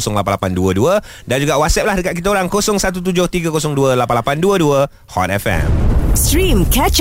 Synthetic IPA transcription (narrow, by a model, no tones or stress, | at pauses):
sɔŋlapanlapanduəduə | dand͡ʒuɡaʔwat̪sɛp̚lahdəkat̪̚kit̪aoɾaŋkosɔŋsat̪̬ut̪̬ud͡ʒʊht̪iɡəkosɔŋduəlapanlapanduəduə | hɔ̰t̪̚ɛfɛ̰mstɾĩmkʰɛt͡ʃ